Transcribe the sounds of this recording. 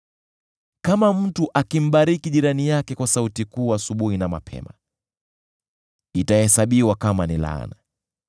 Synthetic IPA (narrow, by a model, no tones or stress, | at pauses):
kamam̩tuʔakim̩ɓaɾikiʄiɾanijakɛkwasautikuːasuɓuhinama̰pʰɛ̰ma̰ | itahɛsaɓiwakamanila̰na̰